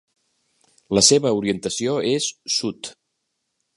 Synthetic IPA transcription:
ləseβəuɾiənt̪əsioesːut̪

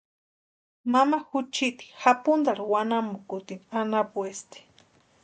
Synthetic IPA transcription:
mamaxut͡ʃit̪i̥xapund̪aɾuwanamukut̪inanapwest̪e̥

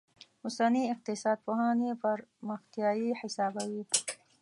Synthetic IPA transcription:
hʊsaniɪq̚t̪isɑːd̪̚poɦɑːnipɐɾmɐxt̪ijaːiħɪsaːbawi

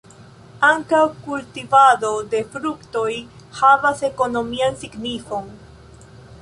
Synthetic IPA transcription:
aŋkawkultivado̞de̞fɾukto̞j | havase̞ko̞no̞miansiɡnifo̞n

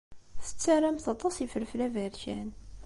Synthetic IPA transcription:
θə̥t͡sːæɾæmθɑt̪ˤːɑsifəlflævæɾçæ̰n

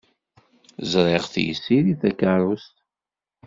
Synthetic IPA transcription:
zɾˤɪʁθjə̰sːiɾiθækəɾˤust̪

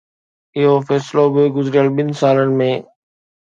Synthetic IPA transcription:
ɪɦofɛːslobɪɡʊzɾjəlɓɪnɪ̆saːlənɪ̆mẽː

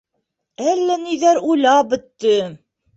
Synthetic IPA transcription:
ælːæniðæɾujlˠɑbɵ̆t̪ːɘ

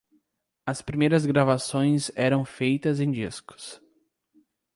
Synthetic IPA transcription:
ɐspɾimejɾɐzɡɾavasõj̃sɛɾɐ̃w̃fejt̪ɐzẽj̃d͡ʒiskʊ̥s

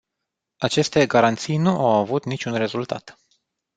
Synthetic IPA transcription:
at͡ʃe̞st̪e̞ɡaɾant̪sijnuʔawavut̪nit͡ʃʲunre̞zult̪a̰t̪

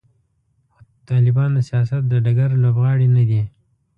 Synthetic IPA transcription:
xot̪ɑlɪbɑnd̪əsijɑsat̪̚d̪əɖaɡaɾlobɣɑɽinad̪i

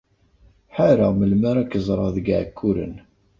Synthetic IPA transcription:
ħaɾaməlmæɾækːzˤɾˤəðəɡʕkʰːuɾə̰n

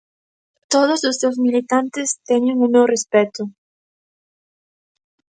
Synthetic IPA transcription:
t̪oðʊsʊsewzmilit̪ant̪ɪst̪ɛɲẽŋumewrespɛt̪ʊ

